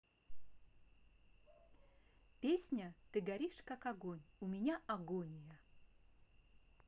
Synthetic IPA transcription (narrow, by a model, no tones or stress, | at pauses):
pʲesʲnʲət̪ɨɡɐɾʲiʂkakɐɡonʲumʲɪnʲaɐɡonʲjə